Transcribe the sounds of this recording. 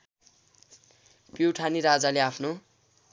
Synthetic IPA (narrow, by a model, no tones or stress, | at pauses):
pjiwʈʰaniɾad͡zaleapʰno